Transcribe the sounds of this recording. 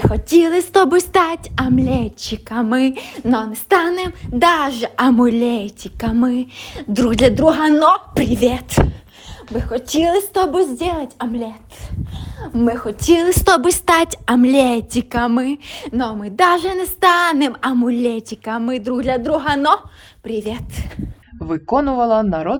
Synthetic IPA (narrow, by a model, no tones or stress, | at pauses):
mɪxɔtʲilˠɪst̪ɔbʊst̪ɑtʲɐmlʲɛt͡ʃːɪkɐmɪnɔnɛst̪ɑnemd̪ɑʒɛʔɐmʊlʲɛtʲikɐmɪd̪ɾud̪lʲɐd̪ɾuɦɐnɔpɾɪʋʲɛt̪ | mɪxɔtʲilˠɪst̪ɔbʊzʲdʲɛlˠɐtʲɐmlʲɛt̪ | mɪxɔtʲilˠɪst̪ɔbʊst̪atʲɐmlʲɛtʲikɐmɪnɔmɪd̪aʒɛnɛst̪ɑnɛmɐmʊlʲɛtʲikɐmɪd̪ɾuɣd̪ʲlʲɐd̪ɾuɦɐnɔ | pɾʲɪʋʲɛt̪ | ʋɪkɔnʊʋɐlˠɐnɐɾɔd̪